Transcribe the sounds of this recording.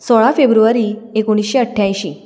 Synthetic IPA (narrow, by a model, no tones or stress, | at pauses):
sɔɭafebɾuʋaɾiːekoɽ̃isɕeəʈʰjajɕiː